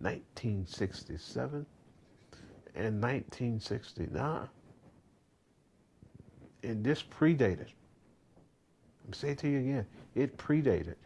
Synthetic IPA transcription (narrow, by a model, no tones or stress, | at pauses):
nã̰ɪ̃ntʰĩnsɪkstisɛ̰vɨ̃n | ɨ̃nːãɪ̃ntʰĩnsɪkstḭnã̰ɪ̃n | ɨ̃nðɪspʰɹ̥ideɪɾɨd̥ | aɪ̃mseɪtʰɨjɨɨɡɛ̃nɪt̚pʰɹ̥ideɪɾɨ̰d̥